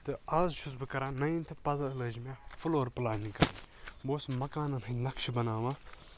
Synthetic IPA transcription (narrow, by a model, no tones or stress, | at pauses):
t̪ɨɐːzʃusbɨkɐɾãːnɐjint̪ʰɨpɐzɐlɐd͡ʒmʲafuloːɾpɨlaːnikɐɾ̰boːsmɐkaːnɐnɦɨnɐkʃibɐnaːʋã